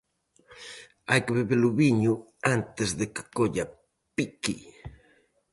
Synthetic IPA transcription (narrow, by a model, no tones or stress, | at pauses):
ajkeβeβeluβiɲu | ant̪ezðeke̥koʎa | piki